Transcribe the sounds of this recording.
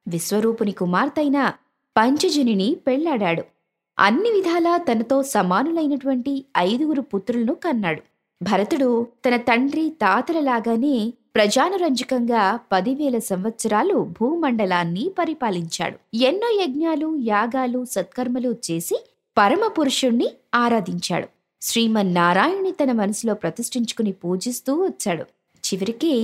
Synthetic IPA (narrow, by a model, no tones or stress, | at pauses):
ʋisʋɐɾuːpɐnikumaːɾt̪ɐjnɐ | pɐɲt͡ʃɐd͡ʒininipɛɭːaːɽaːɽu | ɐ̰nːiʋid̪ʱaːlaːt̪ɐnɐt̪o̞ːsɐmaːnulɐjnɐʈuʋɐɳʈiɐjd̪uɡuɾuput̪ɾulɐnukɐnːaːɽu | bʱɐɾɐt̪uɽut̪ɐnɐt̪ɐɳɖɾit̪aːt̪ɐlɐlaːɡaːne̞ː | pɾɐd͡ʒaːnɐɾɐɲd͡ʒɐkɐŋɡaːpɐd̪iʋɛːlɐsɐmʋɐt̪sɐɾaːlubʱuːmɐɳɖɐlaːnːipɐɾipaːliɲt͡ʃa̰ːɽuenːoːjɐɡ̚naːlujaːɡaːlusɐt̪̚kɐɾmɐlut͡ʃe̞ːsi | pɐɾɐmɐpuɾuʂuɳːiaːɾaːd̪iɲt͡ʃa̰ːɽu | sɾiːmɐnːaːɾaːjɐnːit̪ɐnɐmɐnɐsilo̞ːpɾɐt̪iʂʈiɲt͡ʃu̥kunipuːd͡ʒist̪uːʋɐt͡ʃːaːɽṵ | t͡ʃiʋɐɾikiː